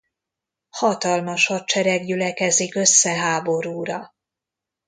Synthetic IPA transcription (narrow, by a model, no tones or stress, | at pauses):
hɒt̪ɒlmɒʃhɒt̚t͡ʃɛɾɛɡɟylɛkɛzikø̞sːɛɦaːbo̞ɾuːɾɒ